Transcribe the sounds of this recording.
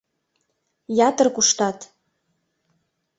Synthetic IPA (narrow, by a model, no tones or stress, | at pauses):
jɑt̪ɤrkuʃt̪ɑt̪